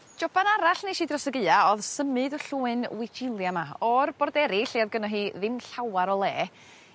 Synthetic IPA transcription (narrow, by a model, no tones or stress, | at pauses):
d͡ʒɔbanaɾaɬneʃidrɔsəɡɨaɔðsəmɨdɔɬuːɨnwɪd͡ʒɪlˠjamaɔrb̥ɔrdɛɾɪɬiaðɡənɔɦiːðɨnɬawaɾɔlˠɛː